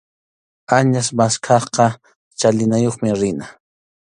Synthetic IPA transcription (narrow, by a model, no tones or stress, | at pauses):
aɲasmaskʰɑχqɑ | t͡ʃalɪnajoχmɪɾɪna